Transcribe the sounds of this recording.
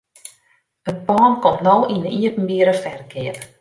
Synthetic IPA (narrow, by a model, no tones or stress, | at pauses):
ət̚pɔːnkɔmtnowʔinəiəpn̩biəɾəfɛrkʰɪəp